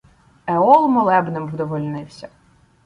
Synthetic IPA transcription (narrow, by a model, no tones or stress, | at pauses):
eɔlˠmɔlˠɛbnɪmwd̪ɔʋɔlʲnɪwsʲɐ